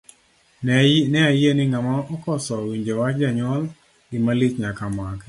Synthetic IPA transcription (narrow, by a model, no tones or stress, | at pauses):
nɛajenɪŋamaɔkɔsɔwiɲd͡ʒewad͡ʒaɲɔl | imalit͡ʃɲakamak